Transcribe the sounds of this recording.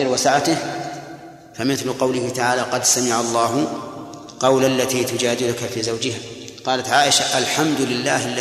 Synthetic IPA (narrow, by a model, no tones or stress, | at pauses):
ɪlwasaʕat̪ɪh | famɪθlʊqɑwlɪhɪt̪aʕaːlaqɑd̪samɪʕalˤːɑːɦʊ | qɑwlalːat̪iːt̪ʊd͡ʒaːd̪ɪlʊkafiːzawd͡ʒɪɦaqɑːlat̪ʕaːʔɪʃaʔalħamd̪ʊlɪlːaːhalːa